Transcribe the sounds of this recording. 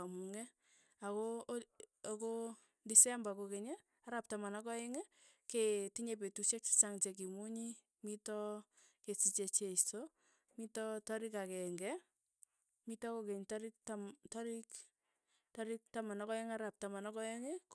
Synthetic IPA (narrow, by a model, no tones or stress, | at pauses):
amuŋɛ | ako | ako | ndisɛambakokeɲe | aɾap̚tamanɔkɔɛŋe | ketiɲep̬etuʃek̚t͡ʃi̥saŋt͡ʃek̬imuɲi | mitɔkesit͡ʃet͡ʃeito | mitɔtɔɾikakɛŋɡɛ | mitɔkokeɲtaɾik̚ttɔɾik | tɔɾik̚tamanɔkɔeŋaɾap̚tamanɔkɔeŋɛ